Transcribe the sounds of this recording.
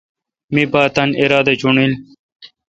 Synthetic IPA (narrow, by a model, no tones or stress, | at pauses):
mibaːt̪ɐniɾaːd̪ɐt͡ɕuɳil